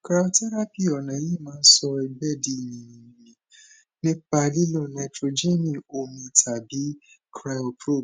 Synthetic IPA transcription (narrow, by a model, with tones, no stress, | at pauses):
kɾa˧˦tɛ˦ɾa˦pi˦˨ɔ˨nã˨˦je˦˨mãː˦n̩˦sɔ˧i˧bɛ˦di˦i˨nĩ˨nĩ˨nĩ˨mĩ˨ | nĩ˦k͡pa˧li˦lɔ˦˨na˧tɾo˧d͡ʒe˦nĩ˦˨o˧mĩ˧˨tʰa˨bi˨˦ | kɾa˧˦ɔ˨pɾo˦˨